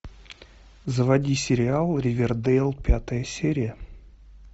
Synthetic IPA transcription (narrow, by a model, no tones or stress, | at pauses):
zəvadʲisʲeɾʲialˠrʲevʲerd̪elˠpʲat̪əjəsʲeɾʲiə